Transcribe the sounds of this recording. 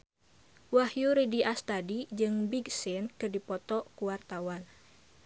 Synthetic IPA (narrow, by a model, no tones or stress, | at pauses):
wahjuɾidiʔast̪adid͡ʒɨŋbiɡsɪnkɨrdipɔt̪ɔkuwart̪awan